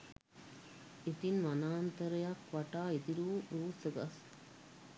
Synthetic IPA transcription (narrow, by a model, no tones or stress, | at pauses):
it̪inʋɐnaːnt̪ɐɾɐjakʋɐʈaːet̪iɾuːɾuːsəɡɐs